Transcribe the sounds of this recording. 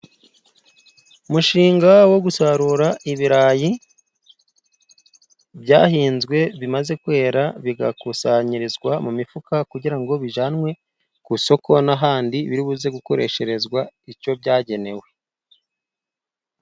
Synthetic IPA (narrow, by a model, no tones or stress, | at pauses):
umuʃiːŋɡawo̞ɡusaɾuɾaʔiβiɾaːji | bɟa̰ːhiːnzɡwe̞βimaze̞kwe̞ːɾaβiɡakusaɲiɾizɡwamumifukakuɟiɾaŋɡo̞βiʒanwe̞ | kuso̞ko̞naɦaːndiβiɾiβuze̞ɡuko̞ɾe̞ʃe̞ɾe̞zɡwaico̞bɟaːɟe̞ne̞we̞